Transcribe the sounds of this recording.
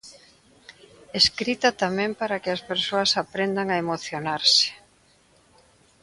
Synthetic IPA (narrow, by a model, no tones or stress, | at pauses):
eskɾit̪ɐt̪amɛ̃mpaɾakɪɐspeɾsoɐsapɾend̪aŋaemoθjonaɾsɪ̥